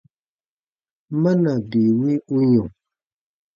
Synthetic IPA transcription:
ma˦na˨bi˨wi˦u˦ɲɔ̃˨

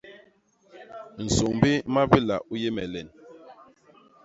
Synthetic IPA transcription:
n̩˨so˨ŋbi˦ma˦bi˦la̰˨ʔu˦je˦mɛ̰˨lɛ˨n

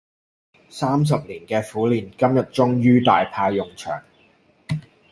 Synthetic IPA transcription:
saː˥ms̬ɐ˨p̚liː˨˩nkɛː˧fuː˨˥liː˨nkɐ˥mjɐ˨t̚t͡ʃʊ˥ŋjyː˥t̪a̰ː˨jpʰaː˧jːʊ˨˩ŋt͡ʃʰœ̰ː˨˩ŋ

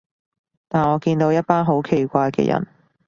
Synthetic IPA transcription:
t̪aː˨˩nɔː˨˧kiː˧nt̪o˨˧wjɐ˥t̚paː˥nɦo˨˥wkʰe˨˩jkʷaː˧jkɛ̰ː˧jɐ̰˨˩n

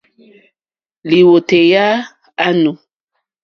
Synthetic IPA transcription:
li˨wo˨te˨ja˦ | a˦nu˨

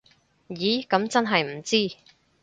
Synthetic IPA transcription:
jiː˨˥kɐ˨˥mt͡sɐ˥nɦɐ˨jm̩˨˩t͡siː˥

